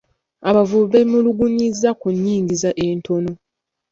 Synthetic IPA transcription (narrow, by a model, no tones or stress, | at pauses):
aβavuβe̞muluɡuɲizːakuɲːiːŋɡizaʔeːntʰo̞no̞